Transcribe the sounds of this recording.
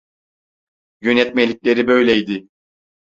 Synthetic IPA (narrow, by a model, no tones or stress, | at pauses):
jønɛt̪melʲiclʲe̞ɾibø̞jlʲejd̪ɪ